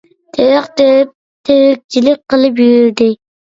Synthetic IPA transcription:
t̪ʰeqt̪ | t̪ʰek̚t͡ʃʰilɪk̚ʲqɨlˠɪp̬jyɾd̪ɪ

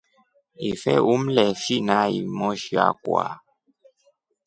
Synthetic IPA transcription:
ifɛ̰um̩lɛfinaḭmɔʃia̰kwa̰

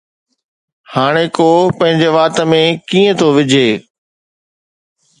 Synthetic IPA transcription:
haːɽ̃ekoːpɐ̃ɦɪ̃ɲd͡ʑeʋaːt̪əmẽkĩːə̃t̪ʰoʋɪd͡ʑʱeː

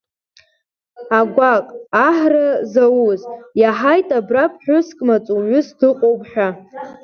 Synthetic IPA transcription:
aɡʷakʼaħrazawuzjaħajtʼabrapʰʼħʷᶣʊskʼmat͡sʼuɥʷʊsdɨqʼowpʼħᶣa

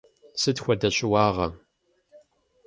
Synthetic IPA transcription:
sɨtxʷɔdɐɕʼɪwɑːʁɐ

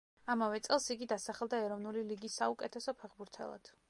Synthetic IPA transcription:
amavɛt̪sʼɛlˠsiɡid̪asaχɛlˠd̪aɛɾɔvnuliliɡisːaukʼɛt̪ʰɛsɔpʰɛʁbuɾt̪ʰɛ̰lˠa̰d̪̥

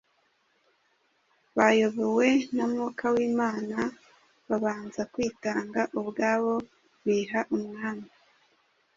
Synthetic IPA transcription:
βajoβowe̞namŋuːkʰawiːmaːna | βaβaːnzakwiːtaːŋɡaʔuβɡaːβo̞ | βiːɦaʔumŋaːna

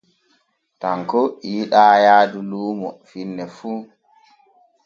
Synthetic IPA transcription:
taŋkɔjiɗaːjaːduluːmɔfinːɛfuː

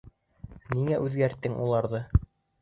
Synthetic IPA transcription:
niŋæʔʉðɡæɾt̪ɘŋṵlˠɑɾðɤ

